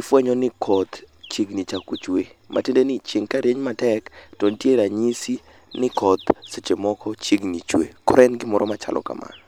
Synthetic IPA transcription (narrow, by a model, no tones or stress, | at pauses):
ɪfwɛɲɔnɪkʰɔt̪t͡ʃiɡnit͡ʃakut͡ʃwemʔa̰tendenɪt͡ʃɪŋkaɾeɲmatɛktɔntjeɾaɲisi | nɪkɔt̪set͡ʃemɔkɔt͡ʃiɡnit͡ʃwḛkɔɾɛnɡɪmɔɾɔmat͡ʃa̰lʔɔ̰ka̰mʔa̰